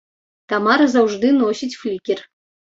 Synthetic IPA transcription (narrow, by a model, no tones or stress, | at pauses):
t̪amɑɾzawʐd̪ɨnosʲit͡sʲflʲikʲɛr